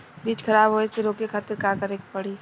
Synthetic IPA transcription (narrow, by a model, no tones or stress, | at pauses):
biːt͡ʃkʰɐɾaːbʱɦoːeseɾoːkekʰaːt̪ɾkaːkəɾeːk̚pɐɽiː